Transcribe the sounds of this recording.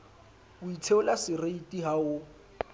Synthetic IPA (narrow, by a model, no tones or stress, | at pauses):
ʊit͡sʰeʊlasɪreitʼiɦaʊ